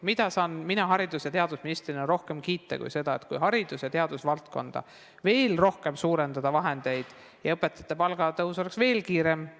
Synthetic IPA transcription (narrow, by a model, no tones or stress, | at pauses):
mid̪̥ɑsɑːnminɑɦɑɾid̪usjɑt̪e̞ɑd̪̥usminist̪rinɑɾo̞hke̞mkiːt̪ːˑɑ̰kṵjse̞d̪̥ɑḛt̪kujɦɑɾid̪̥usjɑt̪e̞ɑd̪usvɑlt̪̚ko̞nd̪̥ɑ̰ | ve̞ːlro̞hke̞msuːɾe̞nd̪ɑd̪̥ɑvɑɦe̞nd̪̥e̞jd̪̥ | jɑɤpːˑet̪ːˑɑt̪ːˑɑpɑlɡ̥ɑt̪ɤɦuso̞le̞ksve̞ːlkiːɾe̞m